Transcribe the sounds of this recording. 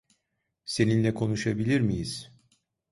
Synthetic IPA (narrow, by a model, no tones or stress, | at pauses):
se̞ninlʲɛkʰo̞nuʃabilʲiɾmijiz̥